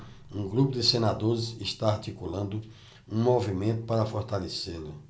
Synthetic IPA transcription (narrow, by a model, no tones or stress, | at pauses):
ũɡɾupʊd̪ɪsenad̪oɾɪsɪʃt̪aaɾt̪ikulɐ̃nd̪ʊ | ũmovimẽnt̪ʊpaɾɐfoɾt̪aleselʊ